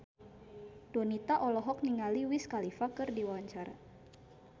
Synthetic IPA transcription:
dɔnit̪aʔɔlɔɦɔk̚niŋaliwiskalifakɨrdiwawaɲt͡ʃaɾa̰

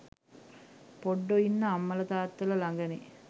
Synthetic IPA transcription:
poɖːoinːəamːələt̪aːt̪ːəlɐlaŋɡəne

